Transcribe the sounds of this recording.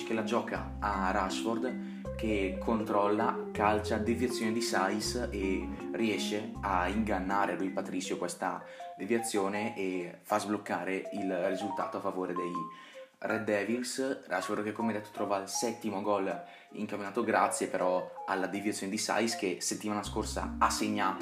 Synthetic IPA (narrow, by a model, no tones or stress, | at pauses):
kelad͡ʒɔːka̰ | arasford̪ | kekʰːont̪ɾɔlːakalt͡ʃad̪evjat̪sːjoːned̪isajseriɛʃːea̰iŋɡanːaːɾealujpat̪ɾisjokwest̪a | d̪evjat̪sːjoːneʔefazblokːaːɾeilrizult̪a̰ːt̪oafːavoːɾed̪ej | rʔɛd̪ːɛːvilsa̰sfoɾd̪kekːomeɛajd̪ɛt̪ːo̥t̪ɾɔːvalsɛt̪ːimoɡɔl | ḭŋkaminaːt̪oɡɾat̪sːjepeɾɔalːad̪evjat̪sjoned̪isa̰jskeset̪ːimaːnaskorsa̰asːeɲːaːt̪